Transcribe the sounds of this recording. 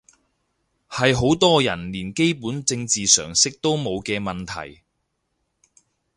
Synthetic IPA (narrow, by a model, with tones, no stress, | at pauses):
hɐ˨jɦo˨˥wt̪ɔː˥jɐ˨˩nliː˨˩nke˥jpuː˨˥nt͡sɪ˧ŋt͡siː˨sœ̰ː˨˩ŋsɪ˥k̚t̪o˥wmo˨˧wkɛː˧mɐ˨nt̪ʰɐ̰˨˩j